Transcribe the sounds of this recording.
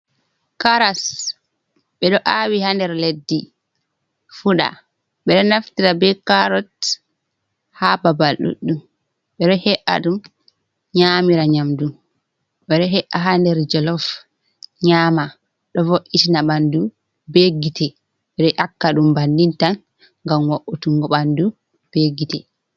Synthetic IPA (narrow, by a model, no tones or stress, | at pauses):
kaɾas | ɓɛɗɔʔawihandɛɾledːi | fuɗa̰ | ɓɛɗɔnaftiɾabɛkaɾɔt | hababalɗṵɗːum | ɓɛɗɔhɛʔa̰ɗum | ɲaːmiɾaɲamdum | ɓɛɗɔɦɛʔaɦandɛɾd͡ʒɔlɔf | ɲaːma | ɗɔvoʔitinaɓandu | beɡitɛ | ɓɛɗɔʔakːaɗumbandintan | ŋɡamwaʔutuŋɡɔɓandu | b̥eɡitɛ